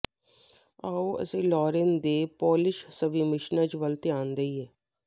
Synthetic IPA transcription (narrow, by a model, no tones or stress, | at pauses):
aːoːə̰seːlɔːɾend̪eːpoːlɪʃsəʋiːmɪʃnat͡ʃʋəlt̪eãːnd̪əiːɦɛː